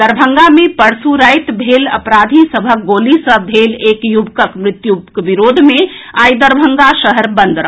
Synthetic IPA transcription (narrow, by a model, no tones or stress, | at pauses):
d̪əɾbʱəŋɡamepəɽsuɾəjt̪bʱelə̰pɾad̪ʱisəbʱək̚ɡolisəbʱelekjubkəkmɾɪt̪jukbiɾod̪ʱmeajd̪əɾbʱəŋɡaʃəɦəɾbənd̪ɾəɦ